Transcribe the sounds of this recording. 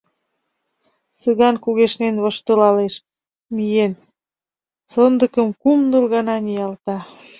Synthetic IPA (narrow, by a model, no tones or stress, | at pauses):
sɨɣɑnkuɣeʃnenβɤ̆ʃt̪əlɑleʃ | mijen | sɤnd̪ə̆kə̆mkumnɤlɣɑnɑnijɑlt̪ɑ